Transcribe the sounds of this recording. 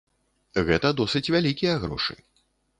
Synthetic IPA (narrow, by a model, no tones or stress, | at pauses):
ɣɛt̪ɐd̪ɔsɨt͡sʲvʲalʲikʲijɐɣɾɔ̰ʂɨ̥̰